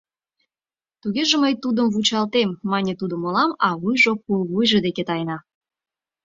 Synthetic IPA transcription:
t̪uɣeʒeməjt̪ud̪əmvut͡ɕɑlt̪emːɑnʲet̪ud̪ŏmolɑmɑβujʒop̚ulβujʒed̪eket̪ɑjnɑ

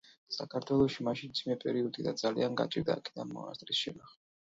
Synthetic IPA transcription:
sakʰaɾt̪ʰwɛlˠɔʃimaʃint̪z̥ʰimɛpʼɛɾiɔd̪id̪ad̪zalianɡa̰t͡ʃʼiɾd̪a̰ːkʰi̥d̪anmɔ̰a̰st̪ʼɾisʃɛnaχ

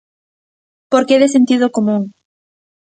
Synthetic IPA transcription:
poɾkeðesent̪ið̞okomũŋ

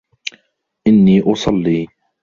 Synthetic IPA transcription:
ʔɪnːiːʔʊsˤɑlːiː

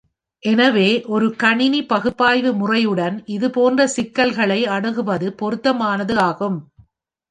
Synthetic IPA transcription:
ʔɛnɐʋeːʔɔɾɯkɐɳɪnipɐɣɯpːaːjʋɯmʊrɐjɯɽɐnɪðɯpoːndrɐsɪkːɐlɣɐɭɐɪɐɽɯɣɯʋɐðɯpɔɾɯt̪ːɐmaːnɐðɯaːɣɯm

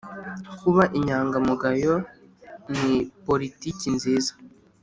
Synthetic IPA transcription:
kuβaʔiɲaːŋɡamuɡajo | nipo̞ɾiticinziːzḁ

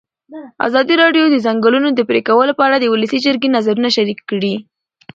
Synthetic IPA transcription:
a̰zɑd̪iɾɑɖjod̪əzaŋɡəlunod̪əpɾekawəlopəaɽad̪əwuləsid͡ʒəɾɡenazaɾunaʃaɾikːɽi

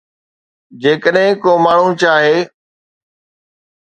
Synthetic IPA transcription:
d͡ʑeːkəɗɦɪ̃koːmaːɳ̤ũt͡ɕʰaːɦeː

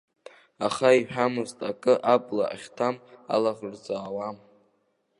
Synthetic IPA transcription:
aχaiħᶣamɨztʼakʼɨʔabʼlaːχʲtʰama̰laʁrd͡zʼaːwam

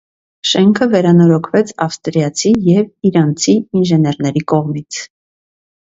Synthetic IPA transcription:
ʃɛŋkʰəvɛɾɑnɔɾɔkʰvɛt͡sʰɑfst̪ɾijɑt͡sʰijɛviɾɑnt͡sʰiinʒɛnɛɾnɛɾikɔʁmit͡sʰ

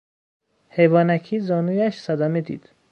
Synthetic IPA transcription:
hejbɒːnækʰizɒːnujæʃsad̪æmed̪ḭːd̪̥

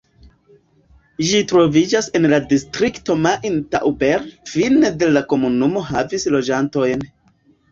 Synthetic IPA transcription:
ʒitɾo̞vid͡ʒase̞nladistɾikto̞maʔinta̰ʔwbeɾfinede̞lako̞munumo̞ɦavislo̞d͡ʒanto̞jn

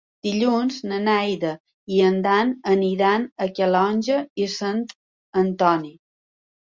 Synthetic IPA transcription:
d̪̥iʎunznənɛjðə | iənd̪anəniðanəkəlɔnʲʒəisant̪ | ənt̪ɔni

